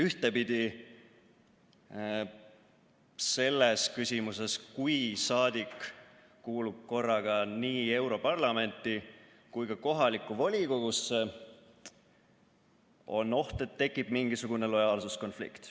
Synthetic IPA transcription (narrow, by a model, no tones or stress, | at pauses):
yht̪e̞pid̪̥i | se̞lːeskysʲimuse̞skujsɑːd̪̥ikː | uːlub̥̚ko̞rːɑɡ̥ɑniːe̞wɾo̞pɑrlɑme̞nt̪ːˑi | kujkɑko̞ɦɑlikːˑuvolʲiko̞ɡ̥usːe | o̞̰nːo̞ht̪e̞t̪ːe̞kːˑib̥miŋɡ̥isuɡ̥une̞lo̞jɑːlsusko̞nflḭkt̪